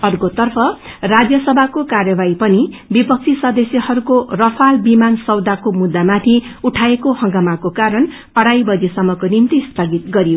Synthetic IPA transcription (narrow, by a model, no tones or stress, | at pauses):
ʌrkot̪ʌrpʰʌrad͡zjʌsʌbʱakokarjʌbaipʌnibipʌk̚t͡sʰisʌd̪esjʌhʌɾukorʌpʰalbimansʌwd̪akomud̪ːamat̪ʰiuʈʰaekohʌ̃ŋɡamakokaɾʌn | ʌɽajbʌd͡zesʌmːʌkonimt̪ist̪ʌɡit̪ɡʌɾijo